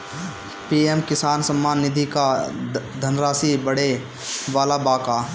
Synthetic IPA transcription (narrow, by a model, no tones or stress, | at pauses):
piːemkɪsaːnsɐmːaːnːɪd̪ʱikad̪ʱɐnɾaːsibɐɽe | ʋaːlabaːkaː